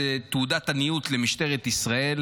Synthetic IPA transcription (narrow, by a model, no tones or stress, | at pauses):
et̪ud̪at̪anijut̪le̞miʃt̪e̞ʁet̪isʁael